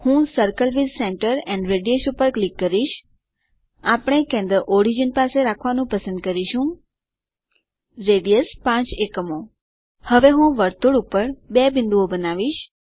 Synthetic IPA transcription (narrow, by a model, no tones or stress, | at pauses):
hũsəɾkəlʋilsẽɳʈəɾɛ̃nɖɾeɖijeʃupəɾklikːəɾiʃ | apəɳ̃ekɛ̃nd̪əʔoɾid͡ʒənpaseɾakʰʋanũpəsənd̪̚kəɾiʃũ | ɾeɖijəspãt͡ʃekəmo | həʋeɦũʋəɾt̪uɽupəɾbebɪnd̪uobənaʋiʃ